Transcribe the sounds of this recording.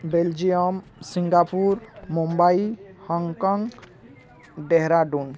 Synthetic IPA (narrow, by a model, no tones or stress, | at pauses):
beld͡ʒijɔmsiŋɡapuɾmumbaihɔŋkɔŋɡ | ɖeɦɾaɖun